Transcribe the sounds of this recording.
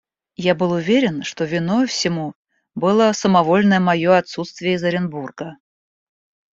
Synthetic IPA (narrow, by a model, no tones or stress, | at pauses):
jabɨlˠʊvʲeɾʲɪnʂt̪ovʲɪnofsʲɪmu | bɨlˠəsəmɐvo̞lʲnəjəmɐjoɐt̪sut̪st̪vʲɪjəzəɾʲɪnburɡə